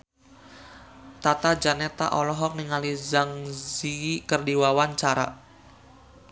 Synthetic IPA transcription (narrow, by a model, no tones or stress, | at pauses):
t̪at̪ad͡ʒanɛt̪a̰ʔɔlɔɦɔk̚niŋalizaŋzikərdiwawant͡ʃaɾa̰